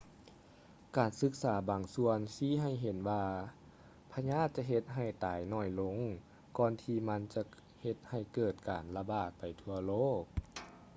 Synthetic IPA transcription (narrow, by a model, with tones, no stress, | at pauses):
kaː˨˩nsɯ˧˦˥k̚saː˩˦baː˨˩ŋsu˧ənsiː˧˥˦ɦa˧˩˨jɦe˨˦nwaː˧ | pʰa˧ɲaː˥˨t̪̚t͡ɕa˧˨ɦe˧t̪̚ɦa˧˩jt̪aː˨˦jnɔː˧˩jlo˧˥˨ŋ | kɔː˧nt̪ʰiː˧˩ma˧˥nt͡ɕa˧ | he˧˦t̪̚ha˧˩jkɤː˧˩t̪̚kaː˨˩nla˧baː˧˩t̪̚pa˨˩jt̪ʰu˧ɐloː˥˨k̚